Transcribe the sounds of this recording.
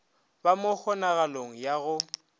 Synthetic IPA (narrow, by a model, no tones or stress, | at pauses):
bamʊk͡xʰɔnaɣaloŋ̩jaɣʊ